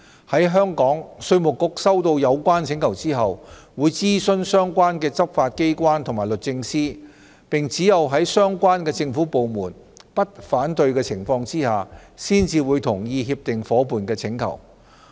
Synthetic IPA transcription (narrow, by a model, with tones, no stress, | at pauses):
hɐ˨˥jɦœː˥ŋkɔː˨˥ŋsɵ˧ɥmʊ˨˩kːʊ˨k̚sɐ˥wt̪o˧wjɐ˨˧wkʷaː˥nt͡sʰɪ˨˧˥ŋkʰɐ˨˩wt͡siː˥ɦɐ˨wwuː˨˧jt͡siː˥sɵ˥nsœː˥ŋkʷaː˥nkɛː˧t͡sɐ˥p̚faː˧t̚ke˥jkʷaː˥nt̪ʰʊ˨˩ŋmaː˨˩jlɵ˨t̚t͡sɪ˧ŋsiː˥ | pɪ˨ŋt͡siː˨˥jɐ˨wɦɐ˨˥jsœː˥ŋkʷaː˥nkɛː˧t͡sɪ˧ŋfuː˨˥po˨wmuː˨˩npɐ˥t̚faː˨˥nt̪ɵ˧ɥkɛː˧t͡sʰɪ˨˩ŋfɔː˧ŋt͡siː˥haː˨siː˥nt͡siː˧wuː˨˧jt̪ʰʊ˨˩ŋjiː˧ɦiː˧p̚t̪ɪ˨ŋfɔː˨˥puː˨nkɛː˧t͡sʰɪ˨˥ŋkʰɐ̰˨˩w